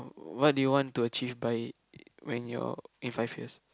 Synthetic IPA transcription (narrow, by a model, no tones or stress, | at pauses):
wɔt̚dujuwɔ̃ntuət͡ʃivbaj | wɛ̃njɔ̰ĩnfajfjḭs